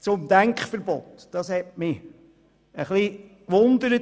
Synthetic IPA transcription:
t͡sʊmd̪æŋkχfəɾbɔt̪d̥ɑshɛtmɪ | əχlikʋʊnd̪əɾə

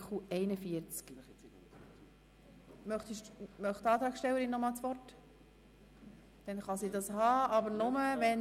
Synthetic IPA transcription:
χuɛɪnəfiəɾt͡sk | mœχt̪iʃmœχt̪ɑːt̪ɾɑːkʃtɛwəɾinːɔmɑlt͡sʋɔrt | d̥ɛnχɑsidɑshɑːɑbəɾnʊməvɛn

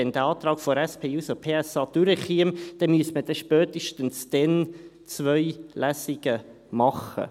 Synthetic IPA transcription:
ɛnd̪əɑːt̪ɾɑːkfɔɾɛspʰeːuːsopʰeːɛsɑːd̥yɾɛχiəmd̥ɛmyəsməd̥ɛʃpœːt̪iʃtənsd̥ɛn | t͡svœʏlæsiɡ̥ə | mɑχə̰

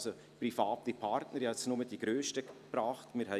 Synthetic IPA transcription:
so | pɾifaːtipʰɑɾtnəɾjhɛsnʊmədiɡ̥ɾøːʃtəpɾɑːχtmɪːɾhɛ

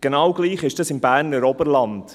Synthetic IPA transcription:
ɡ̥enɑwɡ̥liːχɪʃd̥ɑsɪmbæːɾnəɾɔbəɾlɑnt

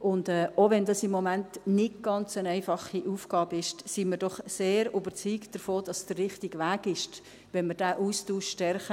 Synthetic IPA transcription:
ʔʊndɛːoʋɛndɑsɪmːomæntnɪɡɡ̥ɑnt͡sənɛɪfɑχiʔuːfɡ̥ɑːbɪʃsiməɾdɔχseːɾʊbəɾt͡syːkd̥əɾfoːd̥ɑsd̥ərːɪχtiɡʋæːɡɪʃt | ʋɛnməɾd̥æːʔuːstuːʃʃtɛrχə

